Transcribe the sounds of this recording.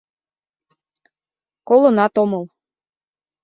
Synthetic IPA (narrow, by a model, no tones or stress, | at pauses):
kolɤ̆nɑt̪omɤ̆l